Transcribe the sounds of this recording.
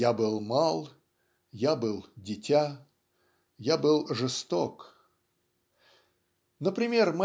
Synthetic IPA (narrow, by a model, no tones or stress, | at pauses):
jabɨlˠmalˠ | jabɨlˠdʲɪtʲa | jabɨlˠʐɨst̪ok | nəpɾʲɪmʲe̞rmɐ